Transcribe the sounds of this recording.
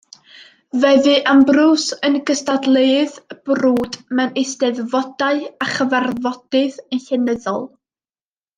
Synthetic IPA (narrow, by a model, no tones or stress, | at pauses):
vɛðɨʔambrusənɡəstadlˠeɨðb̥ruːdmɛnɪsdɛðvɔd̥aɨaχəvarvɔd̥ɨðənɬɛnəðɔ̰lˠ